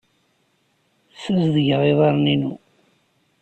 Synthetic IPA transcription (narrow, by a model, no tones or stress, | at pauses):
sæzðəʝʁeðˤɑɾˤninu